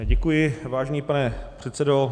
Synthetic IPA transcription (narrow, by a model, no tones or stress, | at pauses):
ɟɛkujɪvaːʒɛɲiːpanɛpr̝̥ɛt̪sɛdo